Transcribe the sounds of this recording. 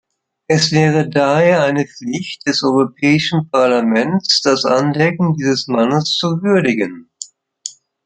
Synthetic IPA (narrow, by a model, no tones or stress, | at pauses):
ʔɛsv̥ɛːʁədaheːɐaɪnəp͡flɪçt̚d̥ɛsʔɔʏʁopʰɛːɪʃn̩pʰaɐlamɛnt͡sd̥asʔa̰ndɛkŋ̩diːzəsmanəst͡suvʏɐdɪɡən